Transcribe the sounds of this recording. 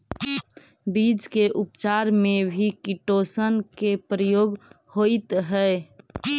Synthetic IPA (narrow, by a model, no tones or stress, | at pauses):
bid͡ʒkeʔʊpt͡ʃaːɾmẽbʱikiʈosənkepɾəjoːɡ | hoɪt̪ɦɛe